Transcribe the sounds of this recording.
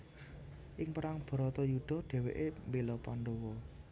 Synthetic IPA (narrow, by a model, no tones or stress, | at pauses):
ʔɪŋpəɾaŋb̥ɔ̤ɾɔt̪ɔjud̪̥ɔ̤ɖ̥ɛ̤wḛʔembelɔpanɖɔwɔ